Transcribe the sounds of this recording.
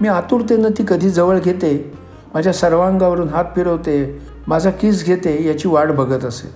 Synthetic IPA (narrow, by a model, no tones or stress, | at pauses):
miːat̪uɾt̪enət̪iːkəd̪ʱiːd͡zəʋəɭɡʱet̪e | mad͡ʑʱjasəɾʋãŋɡaʋəɾuːnɦat̪̚piɽɦot̪e | mad͡zʱakiːt͡sɡʱet̪ejat͡ɕiːʋaɽbʱəɡʱət̪əsḛ